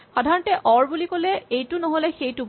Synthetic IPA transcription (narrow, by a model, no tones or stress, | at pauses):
xɔdʱaɹɔntɛʔɔɹbulikolɛejtʊnɔɦolɛxejtu